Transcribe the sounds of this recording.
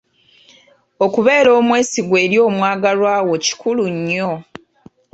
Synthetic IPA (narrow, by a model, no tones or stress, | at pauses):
okuβe̞ːɾo̞ːmwe̞ːsiɡwe̞ːɾjo̞ːmwaːɡaɾwaːwo̞ci̥kuluɲːo